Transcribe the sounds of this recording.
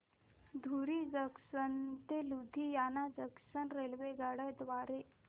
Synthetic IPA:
d̪ʱuɾid͡zəksənt̪elud̪ʱijanad͡zəksənɾelʋeɡaɽəjt̪ʋaɾe

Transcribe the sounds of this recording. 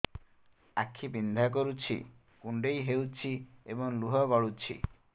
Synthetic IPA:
akʰːibind̪ʱak̬ɔɾut͡ʃʰḭ | kuɳɖejɦewt͡ʃʰiebɔŋluɦɔbɔɭut͡ʃʰḭ

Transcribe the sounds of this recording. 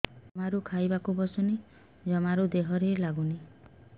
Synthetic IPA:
ɔmaɾukʰajbakubɔsɔni | d͡ʒɔmaɾud̪eɦɔɾelaɡuni

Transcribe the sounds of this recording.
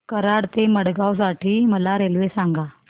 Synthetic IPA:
kəɾaɽt̪eməɽɡaws̬aʈiːməlaɾelʋesaŋɡa

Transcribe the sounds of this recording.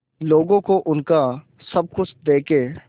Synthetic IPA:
loːɡõkoʔʊnka | sɐb̚kʊsd̪eːkeː

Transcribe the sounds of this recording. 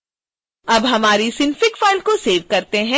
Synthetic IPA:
ɐbɦɐmaːɾisɪnfɪkfaːɪlkoseːʋkɐɾt̪eɦɛ̃

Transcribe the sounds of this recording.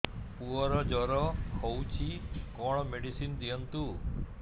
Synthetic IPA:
puɔɾɔd͡ʒɔɾɔhowt͡ʃʰikɔɽ̃ɔmeɽisind̪ijɔnt̪u

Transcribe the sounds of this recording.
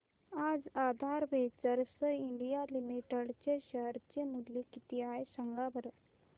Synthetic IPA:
aːd͡zad̪ʱaɾʋet͡səɾsəiɳɖijalimiʈəɽt͡ɕeɕəɾt͡ɕemulekit̪iajsəŋɡabəɾ

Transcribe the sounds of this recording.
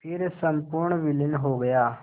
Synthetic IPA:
pʰɪɾsəmpʊɾɳʋɪlɪnɦoːɡɐjaː

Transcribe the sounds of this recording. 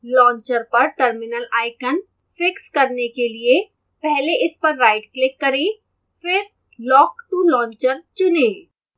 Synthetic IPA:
lɔ̃ːɲt͡ʃəɾpɐɾʈəɾmɪnəlaːɪkən | fɪkskɐɾnekelie | pɛɦleʔɪspɐɾːaːɪɖklɪkːɐɾẽː | fɪɾ | lɔːkʈulɔ̃ːɲt͡ʃəɾt͡ʃʊnẽː

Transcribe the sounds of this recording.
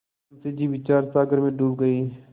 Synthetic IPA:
nsed͡ʒiːʋɪt͡ʃaːɾsaːɡəɾmẽːɖuːbɡəiː

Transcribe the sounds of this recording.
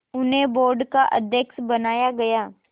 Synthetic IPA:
ʊnɦẽboːɾɖkaʔɐd̪ʱjəksbɐnaːjaɡɐjaː

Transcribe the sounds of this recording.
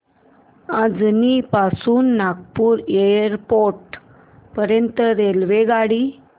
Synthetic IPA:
ad͡znipasuːnːaɡpuːɾeɾpoɾʈ | pəɾjənt̪əɾelʋeɡaɽi

